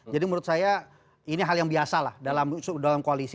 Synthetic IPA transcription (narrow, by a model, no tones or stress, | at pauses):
d͡ʒadimuɾʊt̪̚saja | iniɦaljaŋbiasalahdalamsdalamkoalis